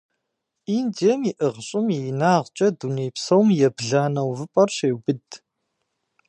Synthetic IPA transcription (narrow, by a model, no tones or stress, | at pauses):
iːndiɛmiʔəʁɕʼɪminaːʁt͡ʃʼɐduneːpsɐwmjɛbɮaːnɐwvɨpʼɐrɕeːwbɨd